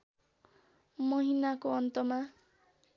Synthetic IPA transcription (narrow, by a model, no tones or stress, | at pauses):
mʌɦinakoʌnt̪ʌma